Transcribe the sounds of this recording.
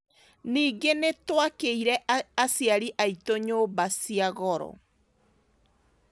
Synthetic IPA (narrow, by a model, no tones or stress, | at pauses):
niːɡenetwakeiɾɛasjaɾiʔaitoɲoːbasiaɣɔɾɔ̰